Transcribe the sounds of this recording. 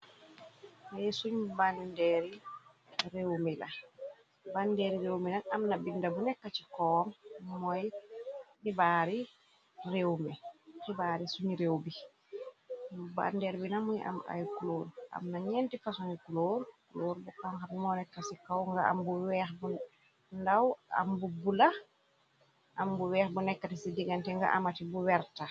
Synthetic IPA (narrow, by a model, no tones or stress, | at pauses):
majsuɲbandɛɾi | ɾewmɛla | bandɛɾiɾewminanamnabindabunɛkːat͡ʃikɔmmɔj | hibaɾi | rewmɛhibaɾisuɲɾewbi | mba̰ndɛɾbinamujʔa̰ma̰jkuloɾʔa̰mnaɲɛntifasunikuloɾkuloːɾbukaŋkabimɔnɛkːasikawŋɡaa̰mbuwɛxbu | ndawa̰mbubula | ʔambuwɛːxbunɛkːatisidiɡantɛŋɡa̰ʔa̰matibuwɛɾta